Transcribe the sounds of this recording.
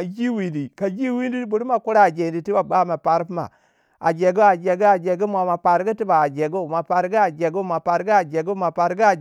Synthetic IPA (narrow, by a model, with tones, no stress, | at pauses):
a˨d͡ʒi˦wi˨di˨ka˨d͡ʒi˦wi˦ndi˦bu˨ɾu˦ma˨ku˦ɾa˦˨d͡ʒe˨di˨ti˦ba˨ba˦ma˨pa˨ɾpma̰˨ | a̰˨d͡ʒe˨ɡu˦a˨d͡ʒe˨ɡi˦a˨d͡ʒe˨ɡi˦mʷa˨ma˨pa˨ɾɡi˦ti˦ba˨a˨d͡ʒe˨ɡu˦˨ma˨pa˨ɾɡi˦a˨d͡ʒe˨ɡu˦ma˨pa˨ɾɡi˦a˨d͡ʒe˨ɡu˦ma˨pa˨ɾɡi˦a˨